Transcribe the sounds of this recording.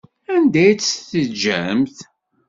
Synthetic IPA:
ænd̪æjt͡sːθəd͡ʒːæ̰mθ

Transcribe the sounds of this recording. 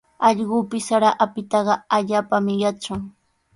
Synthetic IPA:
ɑʎɢʊːpɪsaɾaʔapɪt̪ɑɢɑaʎaːpamɪjat͡ʃʊŋ

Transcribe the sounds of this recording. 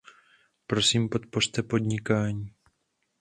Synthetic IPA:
pɾo̞siːmpo̞t̪port̪ɛpo̞d̪ɲɪkaːɲiː

